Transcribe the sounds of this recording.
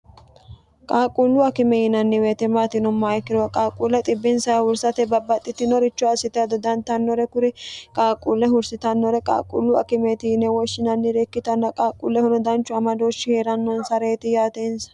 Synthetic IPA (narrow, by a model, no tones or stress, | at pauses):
kʼaːkʼuːlːuɐkɪmɛjɪnɐnːɪweːt̪ɛmaːt̪ɪnʊmːaːjkːɪɾɔwɐkʼaːkʼuːlːɛt̪ʼɪbːɪnsɐjɐhʊɾsɐt̪ɛbɐbːɐt̪ʼːɪt̪ːɪnɔɾɪt͡ʃːɔɐsɪt̪ɛjɐd̪ɔd̪ɐnt̪ɐnːɔɾɛkʊɾɪkʼaːkʼuːlːɛɦʊɾsɪt̪ɐnːɔɾɛkʼa̰ːkʼːṵlːuɐ̰kɪmeːt̪ɪjɪnɛwɔʃːɪnɐnːɪɾekːɪt̪ɐnːɐkʼaːkʼːṵːlːɛhʊnɔd̪ɐnt͡ʃːʊɐmɐd̪oːʃːɪheːɾɐnːɔnsɐɾe̞ːt̪ɪjaːt̪eːnsɐ̥